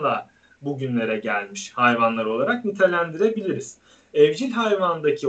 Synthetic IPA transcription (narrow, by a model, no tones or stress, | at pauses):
d̪a | buɟynlʲe̞ɾɛɟælʲmiʃhajvanlˠaɾɯo̞lˠaɾak̚nyt̪ʰelʲænd̪iɾe̞bilʲiɾiz̥ | ɛvd͡ʒilʲɦajvand̪acʰi